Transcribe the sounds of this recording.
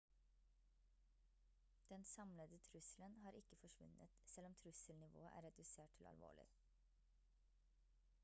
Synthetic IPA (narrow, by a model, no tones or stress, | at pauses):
d̪̥ɛnsɑmləd̪ət̪ʰɾʉslənhɑːɾɪkəfɔʃʋʉ̰nət̪sɛlɔmt̪ʰɾʉsəlnɪʋo̰ːəʔæ̰ːɾɛd̪ʉseːʈ̚tʰɪlɑ̰lʋo̰ːɭɪ̰